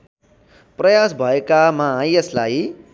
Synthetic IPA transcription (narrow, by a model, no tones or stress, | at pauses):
prʌjasbʱʌekamaːjeslaj